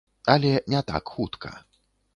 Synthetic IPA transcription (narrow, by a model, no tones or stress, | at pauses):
ɐlʲɛnʲɛt̪a̰kxut̪kʰɐ̰